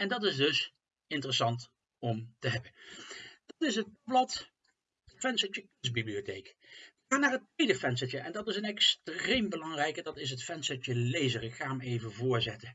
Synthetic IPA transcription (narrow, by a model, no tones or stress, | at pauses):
ɛndɑtɪzdɵs | ɪntərəsɑnt | ɔmtəɦɛbənd̥ɑtɪsət̚bblɑt | fɛnsət͡ʃəkɵnsbibliotejkəxaːnaːɹətʋejdəfɛnsət͡ʃəɛndɑtɪsənɛkstrejmbəlɑŋrɛjkədɑtɪs̬ɦətfɛnsət͡ʃəlejzərɪkχaːmejvəvʊːɹzɛtə